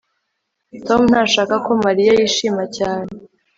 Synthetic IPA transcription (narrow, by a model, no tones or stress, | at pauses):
to̞mun̥aʃaːkako̞maɾijajiːʃiːmacaːne